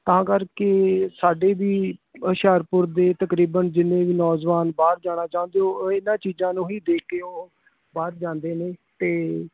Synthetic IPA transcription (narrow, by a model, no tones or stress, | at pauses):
t̪əɦãːkəɾkeːsaːɖeːʋiːəʃaːɾpʊɾd̪eːt̪əkɾiːbənd͡ʒɪnːẽːʋiːnɔːd͡ʒʋaːnbaːɾd͡ʒaːɽ̃aːt͡ʃaːʊ̃ːnd̪eoːɪnãːt͡ʃiːzãːnũːɦiːd̪eːkʰeːoː | baːɾd͡ʒãːnd̪eːneːt̪eː